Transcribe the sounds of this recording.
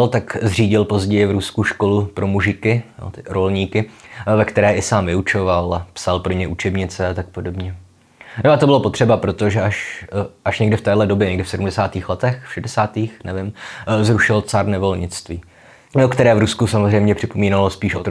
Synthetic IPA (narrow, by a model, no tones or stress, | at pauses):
lt̪akzr̝iːɟɪlpo̞zɟɛjɪvɾuskuʃko̞lupɾʔo̞muʒɪkɪjo̰t̪ɪɾo̞lɲiːkɪvɛkt̪ɛɾɛːʔɪsaːmvɪut͡ʃovalpsalpɾoɲɛʔut͡ʃɛbɲɪt͡sɛat̪ak̚podo̞bɲɛ | noat̪obɪlopo̞t̪r̝̥ɛbapɾo̞t̪o̞ʒɛʔaʃʔaʃɲɛɡdɪft̪ɛːdlɛdo̞bjɛɲɛɡdɪfsɛdumdɛsaːt̪iːxlɛt̪ɛxfʃɛdɛsaːt̪iːxnɛvɪmzɾuʃɪlt͡saɾnɛvo̞lɲɪt͡st̪viː | okt̪ɛɾɛːvɾuskusamozr̝ɛjmɲɛpr̥ɪpo̞miːnalospiːʃʔot̪